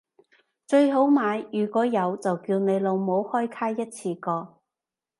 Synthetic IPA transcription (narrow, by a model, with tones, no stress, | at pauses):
t͡ʃɵ˧ɥɦo˨˥wmaː˨˧jjyː˨kʷɔː˨˥jɐ˨˧wt͡sɐ˨wkiː˧wne˨˧jlo˨˧wmo˨˧˥whɔː˥jkʰaː˥jjɐ˥t̚t͡sʰiː˧kɔː˧